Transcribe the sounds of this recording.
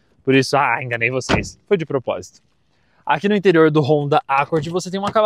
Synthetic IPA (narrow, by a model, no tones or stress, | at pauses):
poɾisʊaẽŋɡɐnejvosesfojd͡ʒɪpɾopɔ̰zit̪ʊ̥ | a̰kinʊĩt̪eɾioɾd̪ʊɦõd̪ɐʔakoɾd͡ʒɪvoset̪ẽũmɐkal